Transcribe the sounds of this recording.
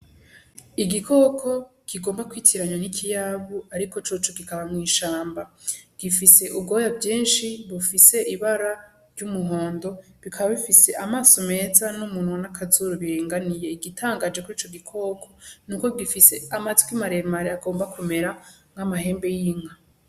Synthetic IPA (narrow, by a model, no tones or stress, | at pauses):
iɡikʰo̞kʰo̞ɡ̥iɡo̞ːmbakwiːtʰiɾaɲanikʰijaβuaɾiko̞t͡ʃoːt͡ʃuɡikaβamŋiːʃaːmbaɡ̥ifise̞ʔubɡo̞ːjavɟiːnʃiβufise̞ʔiβaɾa | ɾɟumuɦo̞ːndo̞βikʰaβaβifise̞ʔamaːso̞me̞ːzanumuːnwonakʰazuɾuβiɾeːŋɡanije̞iɡitʰaːŋɡaːd͡ʒekuɾiːt͡ʃo̞ɡikʰo̞ːkʰo̞nuːko̞ɡifise̞amazi̥kwimaɾe̞maɾeaɡo̞ːmbakume̞ɾaŋhamahe̞ːmbe̞jiŋa